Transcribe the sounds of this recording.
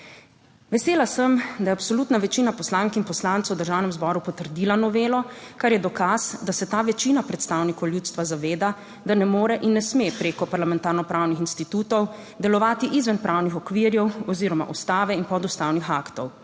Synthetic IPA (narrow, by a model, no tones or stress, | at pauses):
ʋɛseːlasəmd̪ajɛapsɔluːt̪naʋɛt͡ʃiːnapɔslaːŋkinpɔslant̪swd̪əɾʒaːwnɛmzbɔɾupɔt̪əɾd̪ilanɔʋeːlɔkaɾjɛd̪ɔkasd̪asɛt̪aːʋɛt͡ʃiːnapɾɛt̪st̪aːwnikɔwljuːt̪st̪ʋazaʋeːd̪a | d̪anɛmoːɾɛʔinːɛsmepɾeːkɔpaɾlamɛnt̪aːɾnɔpɾʔawnixinst̪it̪uːt̪ɔw | d̪ɛlɔʋaːt̪iʔizʋɛnpɾʔawnixɔkʋiɾjɛwɔziːɾɔma̰ʔust̪aːʋɛinpɔd̪ust̪awnixakt̪ɔw